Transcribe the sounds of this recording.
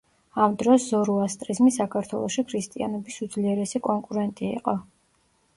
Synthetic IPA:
amd̪ɾɔszɔɾuast̪ʼɾizmisakʰaɾt̪ʰwɛ̰lˠɔʃikʰɾist̪ʼia̰nɛbisud̪zliɛɾɛsikʼɔŋkʼuɾɛnt̪ʼḭːqʼɔ

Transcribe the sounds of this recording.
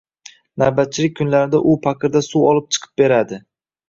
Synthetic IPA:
naɾbat̪̚t͡ʃʰɪlɪk̚ʲkʰːʊnlaɾɪd̪aʔʊpʰaqʰɨɾd̪asuwɒlˠɪp̚t͡ʃʰɨ̥qʰɨ̥p̚be̞ɾad̪ɪ

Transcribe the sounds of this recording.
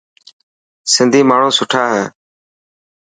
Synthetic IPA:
sɪnd̪ʱiːmaːɳ̤ũːsʊʈʰaːɦeː

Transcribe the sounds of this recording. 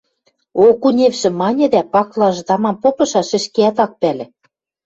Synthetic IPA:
okunʲefʃɘ̆mɑnʲɘ̆d̪æpɑklˠɑʒd̪ɑmɑmpopɤ̆ʃɑʃɘ̆ʃkeæt̪ɑk̚pælʲɘ̆

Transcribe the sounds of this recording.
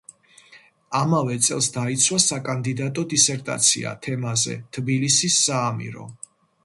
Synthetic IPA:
amavɛt̪sʼɛ̰lˠsd̪ait̪sʰwasakʼand̪id̪at̪ʼɔd̪isɛɾt̪ʼa̰t̪sʰḭa̰t̪ʰɛmazɛ̰t̪ʰbilisisːaːmḭɾɔ̰

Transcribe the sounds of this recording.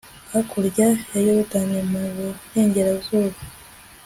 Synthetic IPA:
akuɾɟajajoɾutanemuβone̞ːɲɟeɾazuːβa

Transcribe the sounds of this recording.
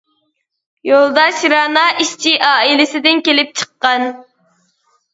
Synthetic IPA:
jolˠd̪ɑʃɾɑːnɑʔiʃt͡ʃʰiʔɑːilɪsɪd̪ɪnkʲelɪp̚t͡ʃʰə̥qːɑn

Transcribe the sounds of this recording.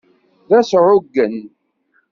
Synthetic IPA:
ðæsʕʊɡːən

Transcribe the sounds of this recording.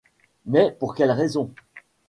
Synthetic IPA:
mɛpuʁkʲɛlʁezɔ̃

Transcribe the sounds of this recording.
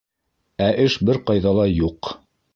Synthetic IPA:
æʔɘʃbɘɾqɑjðɑlˠɑjuq

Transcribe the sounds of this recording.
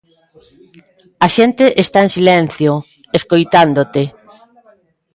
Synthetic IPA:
aʃent̪eʔest̪aensilen̟θjo | eskojt̪and̪ot̪e

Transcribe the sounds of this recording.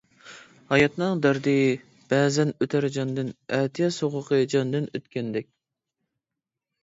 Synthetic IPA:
hɑjɑt̪nɨŋd̪ɑɾd̪ɨ | b̥ɛːzɛnøt̪ʰæɾd͡ʒɑnd̪ɨnɛt̪ʰijɛsoʁʊqʰəd͡ʒɑnd̪ɨnøt̪kʲɛnd̪ɛk̚ʲ

